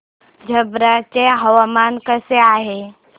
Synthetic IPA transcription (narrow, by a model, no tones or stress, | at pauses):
d͡ʒʱɐbɾat͡ʃeɦəwamaːnkəseaːɦe